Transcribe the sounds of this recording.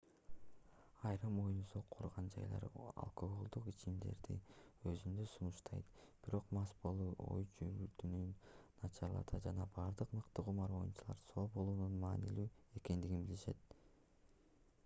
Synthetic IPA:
ɑjɾɯmo̞junsoqʰːuɾʁɑnd͡ʒɑ̰jlˠɑ̰ɾɑ̰lˠko̞ɡolˠd̪uqit͡ʃimd̪e̞̰ɾd̪ḭø̞zynd̪øsunuʃt̪ʰɑ̰jt̪b̥iɾo̞qmɑspolˠuːʔo̞̰jd͡ʒyβylt̪ynynː | ɑt͡ʃɑɾlˠɑ̰t̪ʰɑd͡ʒɑnɑbɑːɾd̪ɯqmɯqt̪ɯqumɑɾo̞junt͡ʃʰulˠɑ̰ɾso̞ːbo̞lˠuːnunmɑːnilyːe̞ke̞nd̪iɡinbiliʃe̞̰t̪̚

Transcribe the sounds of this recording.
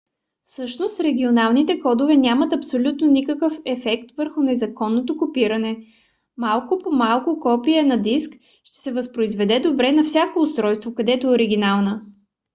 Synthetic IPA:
fsɤʃnost̪ɾɛɡ̟ʲionalˠnit̪ɛkɔd̪ʊvɛnʲamɐt̪ɐpsolʲut̪nonikəkəfɛfɛkt̪vəɾxʊnɛzɐkɔnːot̪okopiɾɐnɛ | malˠkʊpomalˠkʊkɔpiɛnɐd̪isk | ʃt̪ɛ̥sɛvɐspɾoizvɛd̪ɛd̪obɾɛnɐfsʲakoːst̪ɾɔjst̪vokɐd̪ɛt̪ooɾiɡ̟ʲinalˠnə

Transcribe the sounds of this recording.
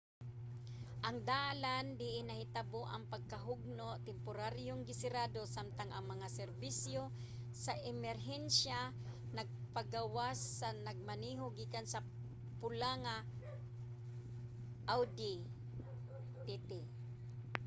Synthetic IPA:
ʔɐŋd̪aland̪ɪʔɪnɐhɪt̪aboʔɐŋpɐɡ̚kaɦʊɡ̚not̪ɛmpʊɾaɾjoŋɡɪsɪɾad̪osamt̪aŋɐŋmɐŋasɛɾbisjo | saʔɛmɛɾɦɛnsja | nɐɡ̚paɡawasːanaɡ̚maniːɦoɡiːkansɐ | pʊlaŋa | ʔawd̪i | t̪ɛt̪ɪ

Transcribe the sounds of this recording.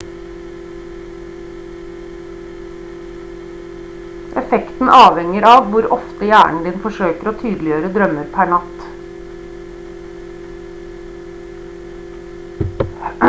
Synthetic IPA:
ʔɛfɛkt̪n̩ʔɑːʋɛŋəɾɑːʋʋʊɾɔft̪əjæːɳ̩d̪ɪːnfɔʂøːkəɾoːt̪ʰyːd̪l̩ɪjøːɾəd̪ɾœməɾpʰæɳɑt̪

